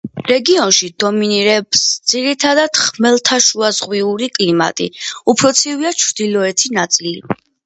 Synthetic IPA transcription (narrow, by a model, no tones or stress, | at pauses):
ɾɛɡiɔnʃid̪ɔminiɾɛbsd̪z̥iɾit̪ʰad̪ad̪̥χmɛlˠt̪ʰaʃuazʁwiuɾikʼlima̰t̪ʼḭupʰɾɔt̪sʰiviat͡ʃʰɾd̪̥ilɔɛt̪ʰinat̪sʼili